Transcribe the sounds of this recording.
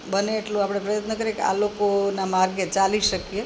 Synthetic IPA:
bəneːʈlũapɽ̃epɾəjət̪nəkəɾekea̰lokonamaɾɡet͡ʃaliʃəkije

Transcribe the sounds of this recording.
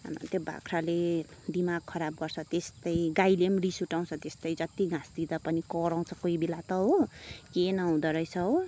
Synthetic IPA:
nt̪joba̰kʰɾaled̪imaɡ̚kʰʌɾab̚ɡʌrt͡sʰʌt̪est̪ʌjɡajlemɾisuʈaw̃t͡sʰʌt̪est̪ʌjd͡zʌt̪iɡʱãsd̪id̪apʌnikʌɾãw̃t͡sʰʌ̥koibelat̪ʌɦokenʌw̃d̪ʌɾʌjt͡sʰʌɦo

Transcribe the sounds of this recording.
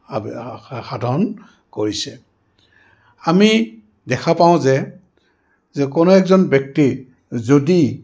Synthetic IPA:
xadʱɔn | koɹisɛ | ami | dɛkʰapaʊ̃zɛ | zɛkonoɛkzɔnbjɔk̚ti | zodi

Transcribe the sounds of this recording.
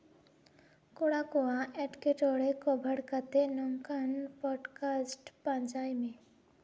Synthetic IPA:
koɽakoaʔɛʈkeʈɔɽekobʱəɽkət̪enɔŋkanpɔːɖkaːsʈpãnd͡ʒaːimẽ

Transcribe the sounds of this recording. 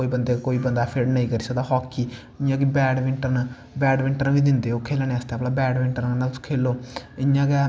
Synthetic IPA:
oːiːbənd̪eːkoːiːbənd̪aːpʰɪɖnəĩːkəɾiːsəd̪aɦɔːkːiː | ɪjãːɡibɛːɖʋɪɳʈəɾn | bɛːɖʋɪɳʈəɾnbiːd̪ɪnd̪eːoːkʰeːlneːəst̪eaːplaːbɛːɖʋɪɳʈəɾkənaːt̪ʊsũ̥kʰeːloːɪjãːɡɛ

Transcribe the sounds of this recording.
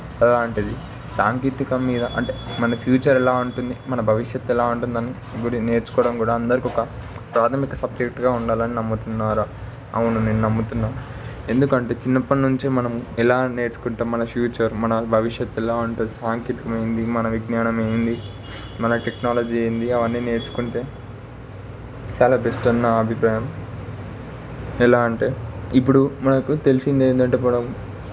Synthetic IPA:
ɐlaːɳʈund̪i | saːŋkiːt̪ikɐmːiːd̪ɐʔɐ̰ɳʈe̞mɐnɐpʰjuːt͡ʃɐɾɛlaːuɳʈund̪imɐnɐbʱɐʋiʂjɐt̪ːɛlaːuɳʈund̪ɐnːi | ɡuɽine̞ːɾt͡ʃu̥kɔːɽɐmkuːɽaːɐnd̪ɐɾikiɔkɐ | pɾaːt̪ʰɐmikɐsɐb̚d͡ʒek̚ʈɡaːuɳɖaːlɐninɐmːut̪unːaːɾa | ɐwunune̞ːnːunɐmːut̪unːaːmu | e̞nd̪ukɐɳʈe̞ːt͡ʃinːɐpːɐnuɲt͡ʃimɐnɐmɛlaːne̞ːɾt͡ʃu̥kuɳʈeːmɐnɐfjuːt͡ʃɐɾmɐnɐbʱɐʋiʂjɐt̪ːɛlaːɐɳʈeːsaːŋkeːt̪i̥kɐmɐjind̪imɐnɐʋiɡnaːnɐmɐjind̪i | mɐnɐʈeknaːlɐd͡ʒiːɐjind̪iɐʋɐnːiːne̞ːɾt͡ʃu̥kuɳʈe̞ː | t͡ʃaːlaːbesʈɐnːɐɐbʱipɾaːjɐm | ɛlaːɐɳʈe̞ːipːuɽumɐnɐkut̪e̞lisind̪eːnd̪ɐɳʈeːmɐnɐm

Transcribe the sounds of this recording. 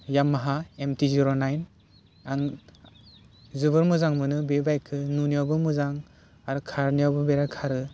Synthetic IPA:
jamːaɦaemtiziɾonajn | aŋ | zɯbɯɾmɯzaŋmɯnɯbebajkʰɯnuniabɯmɯzaŋ | aɾɯkʰaɾnijawbɯbeɾakʰaɾɯ

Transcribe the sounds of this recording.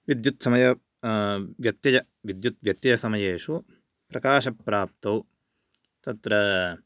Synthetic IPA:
ʋid̪jut̪sɐmɐjɐ | ʋjɐt̪jɐjɐ | ʋid̪jut̪̚ʋjɐt̪jɐjɐsɐmɐjeːʂu | pɾɐkaːʃɐpːɾaːp̚t̪ɐw | t̪ɐt̪ɾɐ

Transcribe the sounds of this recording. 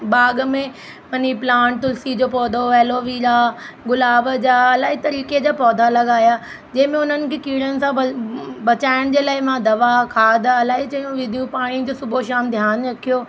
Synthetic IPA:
baːɠmẽ | ʋɐniplãːʈt̪ʊlsid͡ʑoːpɔːd̪ʱoɛːloːʋiːɾaːɡʊlaːbd͡ʑaːɐlaːɦit̪ɐɾiːked͡ʑaːpɔːd̪ʱalɐɠaːjaː | d͡ʑɐ̃ɦɪ̃mẽʊn̤ənɪ̆kʰeːkiːɽənɪ̆sãbɐt͡ɕaːɪɽ̃d͡ʑeːlaːɦɪmãd̪ɐʋakʰaːd̪ɐlaːit͡ɕɐjũʋɪd̪ʱijũpaːɽ̃ĩd͡ʑoːsʊbʱoʃaːmd̪ʱjaːnɾɐkʰijoː

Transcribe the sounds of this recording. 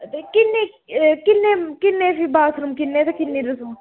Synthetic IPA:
t̪ekɪnːe | kɪnːẽːkɪnːẽːfibaːsɾumkɪnːẽːt̪ekɪnːeːɾusum

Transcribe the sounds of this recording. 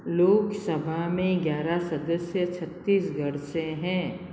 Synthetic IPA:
loːksɐbʱaɦmẽɡjaːɾasɐd̪əsjət͡ʃʰɐt̪ːiːsɡʱɐɽsẽɦɛ̃ː

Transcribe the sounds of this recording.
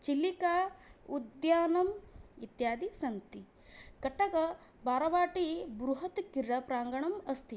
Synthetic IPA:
t͡ʃilikaːud̪jaːnɐmit̪jaːd̪isɐnt̪i | kɐʈːɐɡɐ | baːɾɐʋaːʈibɾuɦɐt̪kiɾɐpɾaːŋɡɐɳɐmɐst̪i

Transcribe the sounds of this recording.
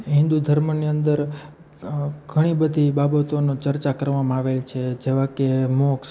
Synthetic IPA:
ɦɪ̃nd̪ud̪ʱəɾməniənd̪əɾ | ɡ̥ʱəɽ̃ibəd̪ʱibabət̪onot͡ʃəɾt͡ʃakəɾʋamãaʋelt͡ʃʰed͡ʒeʋãkemoks

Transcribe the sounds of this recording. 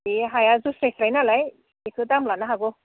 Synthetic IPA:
eɦajazusɾesʰɾajnalaj | ekʰutamlanaɦaɡɔ

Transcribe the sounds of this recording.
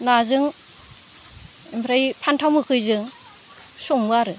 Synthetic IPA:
nazɯŋ | impʰɾajpʰantʰawmɯkʰɯjzɯŋ | sɔŋbaɾɯ

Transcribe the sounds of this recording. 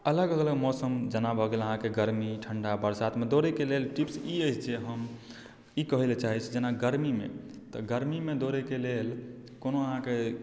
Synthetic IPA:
ələɡələləɡmɔsəmd͡ʒənabʱəɡeləɦãkeɡəɾmiʈʰəɳɖabəɾsat̪med̪oɾekelelʈipsiəjt͡ʃʰd͡ʒeɦəm | ikəɦelet͡ʃaɦit͡ʃʰd͡ʒenaɡəɾmimḛt̪ɔɡəɾmimed̪oɾekelel | konoəɦãke

